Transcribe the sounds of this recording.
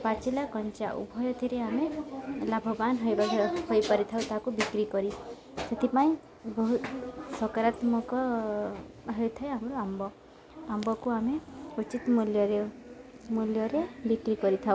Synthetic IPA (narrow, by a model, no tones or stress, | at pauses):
pat͡ʃilakɔnt͡ʃaʔṵbʱɔjɔt̪ʰiɾeamelabʱɔbanɦojbahojpaɾit̪ʰawt̪aɦakubikɾikɔɾi | set̪ʰipaĩ | bɔɦut̪sɔkaɾat̪mɔkɔ | ɦejt̪ʰaeamɾɔambɔ | ambɔkuameut͡ʃit̪muljɔɾe | muljɔɾebikɾikɔɾit̪ʰaw